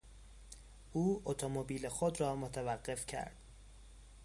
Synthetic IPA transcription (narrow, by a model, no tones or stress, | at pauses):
ʔuːot̪ʰomobiːlexod̪rɒːmot̪ʰævæɢːe̞fcʰæ̰ɾd̪̥